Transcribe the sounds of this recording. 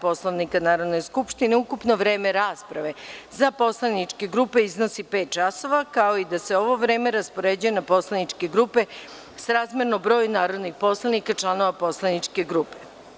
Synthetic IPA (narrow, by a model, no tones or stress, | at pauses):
po̞slˠoʋnikanaːɾod̪ne̞skupʃt̪ine̞ukupno̞ʋɾe̞ːme̞ɾaːspɾaʋe̞zapo̞slˠanit͡ʃke̞ɡɾupe̞iznosipet̪̚t͡ʃaso̞ʋakao̞id̪aseo̞ʋo̞ʋɾe̞ːme̞ɾaspo̞ɾed͡ʑujenapo̞slˠanit͡ʃke̞ɡɾupe̞ | sɾaːzmʲjeɾnobɾo̞ːjnaːɾo̞d̪nixpo̞slˠanikat͡ʃlˠano̞ʋapo̞slˠanit͡ʃke̞ɡɾupe